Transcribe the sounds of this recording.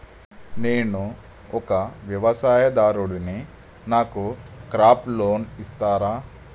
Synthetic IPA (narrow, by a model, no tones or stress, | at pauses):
neːnu | ɔkɐʋjɐʋɐsaːjɐd̪aːɾuɽuni | naːkukɾaːploːnist̪aːɾaː